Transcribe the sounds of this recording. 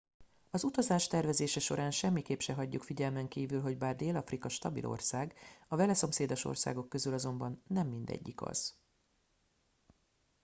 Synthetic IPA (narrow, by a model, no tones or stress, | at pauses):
ɒzut̪ɒzaːʃt̪ɛrvɛzeːʃɛʃo̞̰ɾaːnʃɛmːikeːpʃɛɦɒɟːukfiɟɛlmɛŋkiːvylɦo̞ɟbaːrd̪eːlɒfrikɒʃt̪ɒbḭlʔo̞̰rsaːɡɒvɛlɛso̞mseːd̪o̞ʃo̞̰rsa̰ːɡo̞kːøzylɒzo̞mbɒnːɛmːind̪ɛ̰ɟːikɒ̰z̥